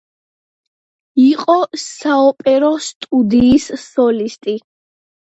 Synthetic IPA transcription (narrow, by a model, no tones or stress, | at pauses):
iqʼɔssaɔpʼɛɾɔst̪ʼud̪iːssɔlist̪ʼi